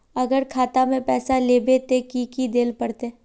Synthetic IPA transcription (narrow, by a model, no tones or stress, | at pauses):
ɐɡəɾkʰaːt̪amẽpɛːsaleːbet̪ekikid̪eːlpɐɽt̪e